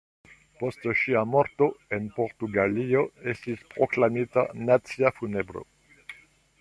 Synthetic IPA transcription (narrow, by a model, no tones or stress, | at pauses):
post̪ʃiamoɾt̪oenpoʁt̪uɡalioest̪ispʁoklamit̪a̰nat̪sjafunebɾo̰